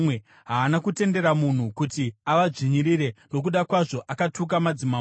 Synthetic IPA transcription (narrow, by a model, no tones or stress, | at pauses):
e | ɦaːnakute̞nde̞ɾamun̤ukutiaʋaʐiɲiɾiɾe̞no̞k̬uɗakwaʐo̞ʔakatuk̬amad͡zima